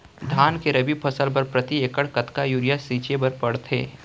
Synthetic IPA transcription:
d̪ʱaːnkeɾɐbipʰɐsəlpɐɾpɾɐt̪ieːkəɽkɐt̪kajuːɾɪjasiːt͡ʃebɐɾpɐɽt̪ʰḛː

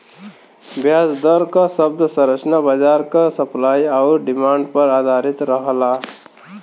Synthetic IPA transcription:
bjaːsd̪ɔɾkasəbd̪sə̃ɾət͡ʃnabad͡ʒaːɾkasəplaːjaʊɾɖɪmãːɳɖpəɾaːd̪ʱaɾɪt̪ɾəɦla

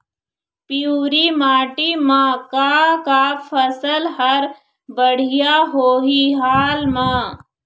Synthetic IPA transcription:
puːɾimaːʈimãːkakaːfʰəsəlɦɐɾ | bəɽ̤ɪjaɦoːɦiɦaːlmãː

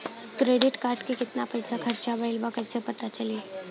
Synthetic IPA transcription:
kɾeːɖɪʈkaːɾʈkekɪt̪napəjsakʰɐɾt͡ʃabʱəɪlbakəsepɐt̪at͡ʃəle

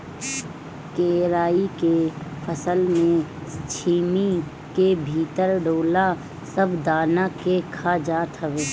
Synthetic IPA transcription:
keːɾaːikepʰəsəlmẽst͡ʃʰiːmi | kebʱiːt̪əɾɖoːla | səbd̪aːnakekʰad͡ʒaːt̪ɦəʋeː

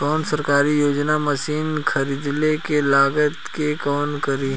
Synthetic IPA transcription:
kɔːnsɐɾkaːɾijoːd͡ʒnamɐsiːnkʰɐɾiːd̪lekelaːɡət̪kekɔːnkɐɾiɦ

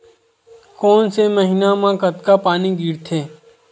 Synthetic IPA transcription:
kɔːnseməɦɪnamãkət̪kapaːniɡiːɾt̪ʰeː

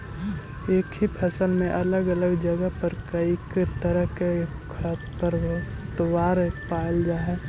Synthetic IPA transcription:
eːkɦipʰɐsəlmẽʔɐləɡələɡd͡ʒəɡəpəɾkəikt̪əɾəɦkekʰə | pəɾ | t̪owaːɾpaːld͡ʒaːɦɛ

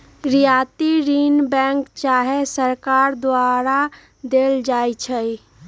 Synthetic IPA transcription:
ɾijat̪iɾinbɛ̃ŋkt͡ʃaɦesəɾkaɾd̪waɾa | d̪eld͡ʒajt͡ʃʰəj

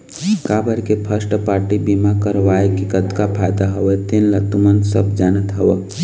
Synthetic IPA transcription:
kabəɾkepʰəsʈpaːɾʈibimakəɾʋaekikəd̪kapʰajd̪aɦəʋet̪enlət̪umənsəbd͡ʒaːnət̪ɦəwə

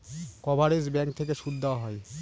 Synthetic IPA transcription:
kɔbʱaɾesbɛŋkt̪ʰekeʃud̪ːawaɦɔj

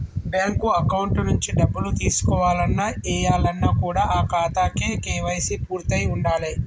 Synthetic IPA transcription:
bjaːŋkuɐkɐwuɳʈnuɲt͡ʃiɖɐbːulut̪iːsu̥kɔːʋaːlɐnːaɛːjaːlɐnːakuːɽaːʔaːkaːt̪aːkekeːʋɐjsipuːɾt̪ɐjuɳɖaːli

